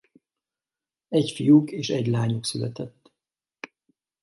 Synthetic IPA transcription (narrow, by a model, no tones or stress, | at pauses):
ɛcfijukeːʃɛɟlaːɲuksylɛt̪ɛt̪ː